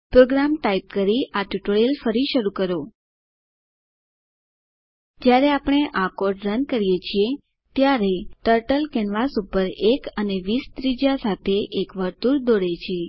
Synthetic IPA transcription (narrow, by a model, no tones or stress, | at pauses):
pɾoɡɾamʈaip̚kəɾiʔaʈuʈɭilfəɾiʃəɾukəɾo | d͡ʒjaɾeapɽ̃eʔakoɾɖɾənkəɾijet͡ʃʰie | t̪jaɾeʈəɾʈəlkɛnʋasupəɾekəneʋist̪ɾid͡ʒasat̪ʰeʔekʋəɾt̪uɾd̪oɽet͡ʃʰie